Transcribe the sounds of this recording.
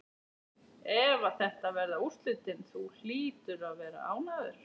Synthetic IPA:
ɛvaθɛht̪avɛɾðaust̪lʏːt̪ɪnθul̥iːt̪ʏɾaðvɛːɾa̰a̰ːwnaːðʏɾ̥

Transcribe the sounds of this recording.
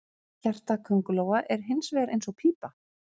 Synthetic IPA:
çar̥t̪akʰœŋkʏloːwaʔɛɾ̥ɦɪnsvɛːɾḛjnsɔɣpʰiːpa

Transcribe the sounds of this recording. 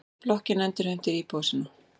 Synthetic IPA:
plɔhcɪnɛnt̪ɪɾ̥hœm̥t̪ɪɾipoːwsɪnʏ

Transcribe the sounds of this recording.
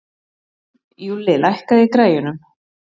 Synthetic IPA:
julɪːlajhkaðikɾaːjʏnʏm

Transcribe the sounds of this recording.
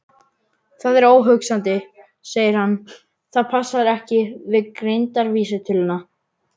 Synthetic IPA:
θaðɛɾoːwɦʏksant̪ɪ | seːjɪɾ̥hanː | θaðpʰasːaɾɛhcɪvɪðkɾejnt̪aɾviːsɪt̪ʰɪlʏnːa

